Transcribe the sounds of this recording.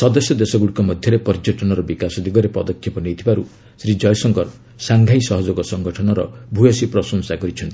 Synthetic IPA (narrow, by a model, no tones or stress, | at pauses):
sɔd̪ɔsjɔd̪esɔɡuɽikɔmɔd̪ʱjɔɾepɔɾd͡ʒɔʈɔnɔɾɔbikasɔd̪iɡɔɾepɔd̪ɔkʰːjipɔnejt̪ʰibaɾu | sɾid͡ʒɔjsɔŋɡɔɾ | saŋɡʱajsɔɦɔd͡ʒoɡɔsɔŋɡɔʈʰɔnɔɾɔ̰bʱujɔsipɾɔsɔnsakɔɾit͡ʃʰɔnt̪ii